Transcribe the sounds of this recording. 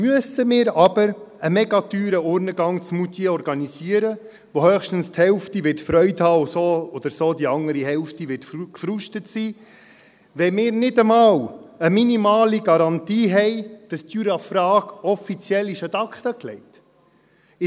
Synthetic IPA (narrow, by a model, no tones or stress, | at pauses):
myəsəmɪːɾɑb̥əɾəmɛɡɑtyːɾəʊɾnəɡɑŋt͡smut̪ʰiɔɾɡɑniziəɾə | ʋohœːχʃtən̩sthɛlftiʋɪɾtfɾœʏthɑːosoːɔd̪̥əɾsoːdiɑŋəɾiɦɛlftiʋɪtkfɾuʃtətsiː | ʋɛmɪːɾnɪdəmɑːwəminimɑːliɡɑɾɑntiːɦɛɪd̥ɑstjyɾɑfɾɑːkɔfit͡sjɛlːiʃət̪ɑkχt̪əklɛɪt | ɪ